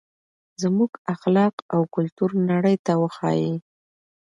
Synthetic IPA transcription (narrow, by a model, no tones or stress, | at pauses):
zmuɡaxlɑqawkʊlt̪uɾnaɽəjt̪awəxɑ̰ji